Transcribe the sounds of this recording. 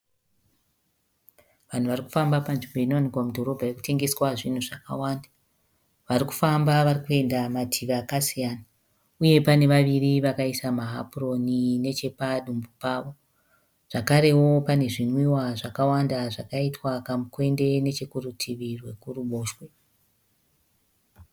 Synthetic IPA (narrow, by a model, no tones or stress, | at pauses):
ʋan̤uʋariku̥fambapanʐimbo̞inoʋanikwamudʱo̞ɾo̞bʱajeku̥te̞ŋɡe̞swaʐin̤uʐaka̰waːnda | ʋariku̥fambaʋarikue̞ndamatʰiʋaːkasijaːna | uje̞pane̞ʋaʋiriʋakaisamaɦa̰puro̞nine̞t͡ʃe̞paɗumbupaːʋo̞ | ʐ̥akaɾe̞wo̞pane̞ʐinwiwaʐakawandaʐakaitwakamukwe̞nde̞ne̞t͡ʃekurutʰiʋirwe̞kuruɓo̞ːʃwe̞